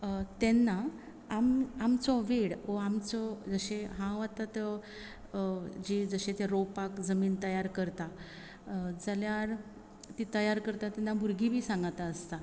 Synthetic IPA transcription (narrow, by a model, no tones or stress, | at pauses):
t̪ɛnːa | amamt͡sɔʋeɽoamt͡sɔd͡zəɕeɦãʋat̪at̪ə | d͡ʑid͡zəɕet̪eɾopakd͡zəmiːnt̪əjaɾkəɾt̪a | d͡zaljaɾ | t̪it̪əjaɾkəɾt̪at̪ːɛnːabʱuɾɡibʱiːsãŋɡat̪aəst̪a